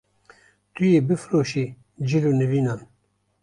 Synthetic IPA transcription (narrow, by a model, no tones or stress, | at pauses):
t̪ujeːbɨfɾoːʃiː | d͡ʒilonɨviːnaːn